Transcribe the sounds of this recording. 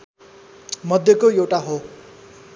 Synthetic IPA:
mʌd̪ʱjʌkojewʈaɦo

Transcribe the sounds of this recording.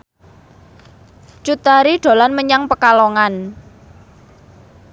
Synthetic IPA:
t͡ʃut̪aɾiɖ̪̥o̤lanməɲaŋpəkaloŋan

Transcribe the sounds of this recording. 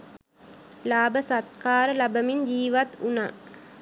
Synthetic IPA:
laːbəsat̪kaːɾəlabəmind͡ʒiːʋat̪unaː

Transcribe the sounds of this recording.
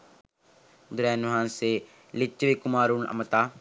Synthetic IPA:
d̪ʊɾɛːnɦãːnse | lɪt͡ʃːʋikʊmaːɾunɐ̰mət̪aː

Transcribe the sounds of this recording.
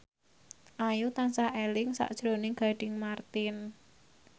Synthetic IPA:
ʔajut̪ansahelɪŋsa̰ʔd̥ʒ̥ɾonɪŋɡ̥a̤ɖ̥ɪ̤ŋmart̪ɪn

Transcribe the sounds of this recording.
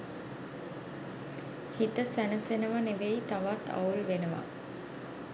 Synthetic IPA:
hit̪əsænəsenəʋaneʋeit̪aʋat̪ʰa̰ulʋenəʋa̰

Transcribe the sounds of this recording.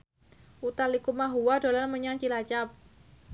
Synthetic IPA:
ʔut̪alikumaɦuwadolarməɲaŋt͡ʃilat͡ʃap̚

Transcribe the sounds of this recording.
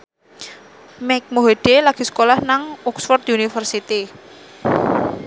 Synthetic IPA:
mɛk̚moɦeɖ̥elaɡ̥i̤sə̥kolahnaŋɔksfɔrt̪unifərsit̪i

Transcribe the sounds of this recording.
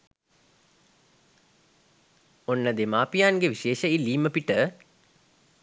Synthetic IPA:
onːəd̪emaːpijaːnɡeʋiʃeːʃəilːiːməpiʈə

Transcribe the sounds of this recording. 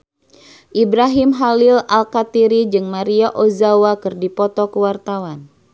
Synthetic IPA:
ʔibɾaɦimɦalɪlalkat̪iɾid͡ʒɨŋmaɾiaʔozawakɨrdipɔt̪ɔkəwart̪awan

